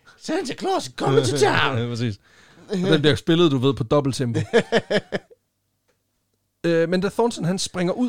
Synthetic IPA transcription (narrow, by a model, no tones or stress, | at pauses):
sænsəkʰlɒskʰɒməit͡sʰapʰʁɛs̬ḭːs | ɒd̥enb̥liɐjo̝sb̥e̝lð̩ˠd̥uʋe̝ð̞̰ˠpʰɒ̽d̥ɒ̽b̥l̩t͡sʰemb̥o | ømend̥æθɒnsənɦænsb̥ʁaŋɐʔu